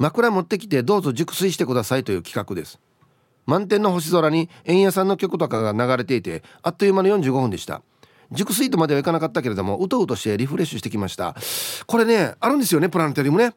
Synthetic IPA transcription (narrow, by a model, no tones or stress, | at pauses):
makɯ̟ɾamo̞t̪ːe̞kʲi̥t̪e̞d̪o̞ːzo̞d͡ʑɨkɯ̟̥sɨiɕi̥t̪e̞kɯ̟d̪asait̪o̞jɯ̟ːkʲi̥kakɯ̟d̪e̞sɨ̥ | mãnt̪̬enːo̞ɦo̞ɕ̬izo̞ɾaɲ̟i | ẽ̞ɰ̃jasãnːo̞kʲo̞kɯ̟t̪o̞kaɡanaɡaɾe̞t̪e̞it̪e̞at̪ːojɯmanojõ̞ɲ̟d͡ʑɨːɡo̞hɯ̟nd̪e̞ɕi̥t̪a̰ | d͡ʑɨkɯ̟s̬ɨit̪o̞mad̪e̞aikanakat̪ːakeɾe̞d̪o̞mo̞ʔɯ̟t̪oɯt̪o̞ɕi̥t̪e̞ɾʲiɸɯ̟ɾe̞ɕːɨɕi̥t̪e̞kʲimaɕi̥t̪a̰ko̞ɾe̞ne̞aɾɯ̃nd̪e̞s̬ɨjo̞nepɯ̟ɾãnt̪ojaɾʲimone